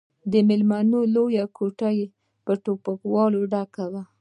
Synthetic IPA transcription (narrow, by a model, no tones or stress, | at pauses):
d̪əmɪlmanolojakʰoʈaje | pəʈopakwɑloɖakawa